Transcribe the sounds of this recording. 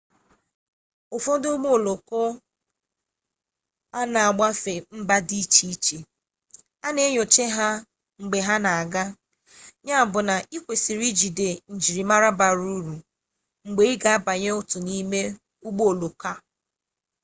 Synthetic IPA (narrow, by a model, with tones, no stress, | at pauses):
o˨fo˦dʊ˦ɡ͡bo˦o˨lo˨ko˦ | a˦na˨a˨ɡ͡ba˦fe˨m̩˦ba˦di˦t͡ʃi˦i˦t͡ʃe˨ | a˦ne˦ɲo˨t͡ʃe˦ɦa˦ | ŋ͡m̩˨ɡ͡be˨ɦa˦na˨a˨ɡa˦ | ɲa˦˨bʊ˨na˨i˦kʷe˨si˨ɾi˦d͡ʒi˨de˨n̩˨d͡ʒi˨ɾi˨ma˦ɾa˦ba˨ɾu˦ɾu˨ | ŋ͡m̩˨ɡ͡be˦i˦ɡa˨a˦ba˨ɲe˦ʊ˦tʊ˨ni˦me˦ | u˦ɡ͡bo˦o˨lo˨ka˦